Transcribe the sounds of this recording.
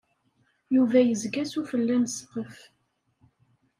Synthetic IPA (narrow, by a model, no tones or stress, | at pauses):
juvæjəzɡæsufəlːænsə̥qːəf